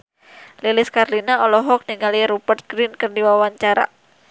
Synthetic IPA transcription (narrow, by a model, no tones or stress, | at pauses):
lilɪskarlinaɔlɔɦɔk̚niŋaliɾupərt̪̚ɡ̥ɾinkərdiwawaɲt͡ʃaɾa̰